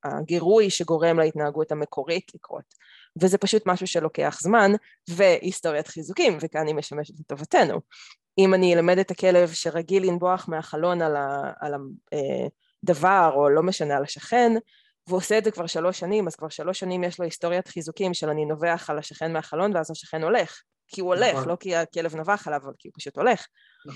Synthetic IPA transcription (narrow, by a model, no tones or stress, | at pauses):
a̰ɡeʁujʃeɡo̞ʁe̞mlaitnaaɡuthamekʰo̞ʁitlikʁo̰t | vezɛpaʃutmaʃuʃelo̞ke̞aχzman | veʔisto̞ʁjatχizukimvekaanimeʃame̞ʃeeto̞vate̞nṵ | imanilame̞detakelevʃeʁaɡilinbo̞aχmeaχalo̞nalaa̰laḛ | d̪avaʁo̞lo̞meʃanealaʃaχe̞n | veoseetzekvaʁʃalo̞ʃanimaz̥kvaʁʃalo̞ʃːanimjeʃloisto̞ʁjatχizukimʃelanino̞veaχalaʃaχe̞nmeaχalo̞nveazaʃḁχe̞no̞le̞χ | kʰiuoleχlo̞kiakelevnavaχalavavalkiupaʃuto̞le̞χ